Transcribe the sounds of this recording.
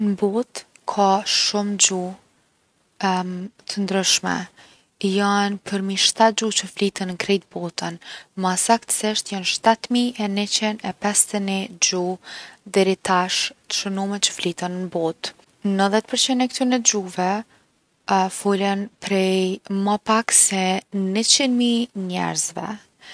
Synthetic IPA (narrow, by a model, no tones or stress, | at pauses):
nbɔt̪ | kʰaʃumd͡ʑu | t̪ʰənd̪ɾyʃmɛ̰ | janpʰəɾmiʃt̪at̪̚d͡ʑut͡ʃəflit̪ənkɾɛjt̪̚bɔt̪ʰənmasakt̪ə̥sɪʃt̪janʃt̪at̪miɛnit͡ɕinɛpɛst̪ənid͡ʑud̪ɛɾit̪aʃt̪ə̥ʃənumɛt͡ʃə̥flit̪ənːəbɔt̪ | nəðɛt̪̚pəɾt͡ɕinɛkt̪ynɛd͡ʒuvɛ | fulənpɾɛjmapaksɛnət͡ɕinmiɲɛ̰ɾzvɛ̰